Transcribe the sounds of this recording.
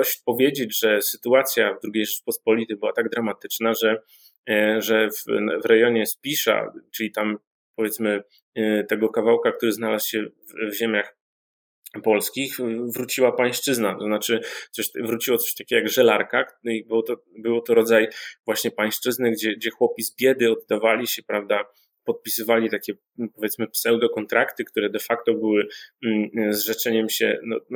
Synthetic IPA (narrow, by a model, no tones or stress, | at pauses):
ɔɕpɔvʲjed͡ʑed͡ʑʐɛsɘt̪uat̪sʲjavd̪ɾuɡʲejʐɛt͡ʂpɔspɔlʲit̪ɘbɘwat̪aɡ̚d̪ɾamat̪ɘt͡ʂnaʐɛ | ʐɛvvɾɛjɔɲɛspʲiʂa̰t͡ʂɘlʲit̪am | pɔvʲjɛt̪smɘ | t̪ɛɡɔkavawkakt̪uɾɘznalasɕɛvvʑɛmʲjax | pɔlskʲixvɾut͡ɕiwapaj̃ʂt͡ʂɘznat̪ɔznat͡ʂɘt̪sɔɕvɾut͡ɕiwɔt̪sɔ̥ɕt̪akʲɛɡɔjaɡʐɛlaɾkakbwt̪ɔ | bɘwt̪ɔɾɔd̪zajvwaɕɲɛpaj̃ʂt͡ʂɘznɘɡd͡ʑɛɡd͡ʑɛxwɔpʲizbʲjɛd̪ɘɔd̪ːavalʲiɕɛpɾavd̪a | pɔt̪̚pʲisɘvalʲit̪akʲɛ | pɔvʲjɛt̪smɘpsɛwd̪ɔkɔnt̪ɾakt̪ɘkt̪uɾɛd̪ɛfak̚t̪ɔbɘwɘ | zʐɛt͡ʂɛɲɛmɕɛ̰nɔ